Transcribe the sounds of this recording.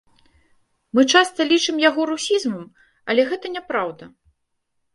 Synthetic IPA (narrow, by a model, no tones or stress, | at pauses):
mɨt͡ʂast̪ɐlʲit͡ʂɨmjaɣɔɾusʲizmɐm | ɐlʲɛɣɛt̪ɐnʲɛpɾawd̪ɐ